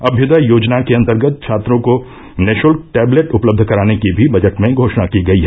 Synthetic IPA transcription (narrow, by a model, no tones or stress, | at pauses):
ɐbʱjʊd̪əjoːd͡ʒnakeɐ̃nt̪əɾɡət̪̚t͡ʃʰaːt̪ɾõko | nɛːʃnəlʈɛːbleʈʊpləb̚d̪ʱkɐɾaːnekibʱibɐd͡ʒəʈmẽɡʱoːʃnakiɡɐiɦɛ